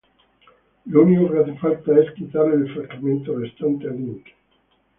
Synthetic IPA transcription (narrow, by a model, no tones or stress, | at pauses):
luniorat̪ifat̪ːaeskit̪aːɾeefɾakament̪orest̪ant̪ealiŋke̥